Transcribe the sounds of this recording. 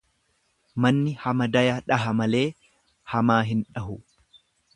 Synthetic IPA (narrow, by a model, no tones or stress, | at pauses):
mɐnːɪhɐmɐd̪ɐjɐᶑɐɦɐmɐle̞ː | hɐmaːɦɪnᶑɐɦʊ